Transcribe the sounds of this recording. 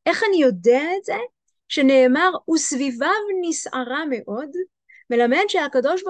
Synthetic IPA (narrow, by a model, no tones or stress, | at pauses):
ʔe̞χanijo̞deaetze̞ | ʃene̞ːmaʁusvivavnisʔaʁame̞ʔo̞d | me̞lame̞nʃeakado̞ʃba